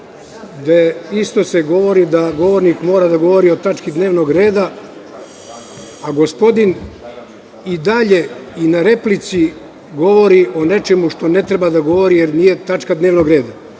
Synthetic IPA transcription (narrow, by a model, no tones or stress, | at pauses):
d̪eist̪o̞se̞ɡo̞ʋo̞ɾid̪aɡo̞ʋo̞ɾnikmo̞ːɾad̪aɡo̞ʋo̞ɾio̞t̪at͡ʃkid̪neːʋno̞ɡɾe̞ːd̪a | aɡo̞spo̞d̪in | id̪aʎe̞inaɾe̞plit̪si | ɡo̞ʋo̞ɾiʔo̞ne̞t͡ʃemuʃt̪o̞ne̞t̪ɾebad̪aɡo̞ʋo̞ɾijeɾniːje̞t̪at͡ʃkad̪ne̞ːʋnoɡɾe̞ːd̪a